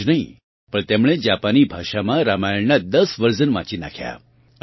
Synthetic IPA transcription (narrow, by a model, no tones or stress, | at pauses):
d͡ʒnəɦĩ | pəɳt̪emɭ̃ed͡ʒapanibʱaʃamãɾamajəɭnad̪əsʋəɾzənʋã̰t͡ʃina̰kʰja̰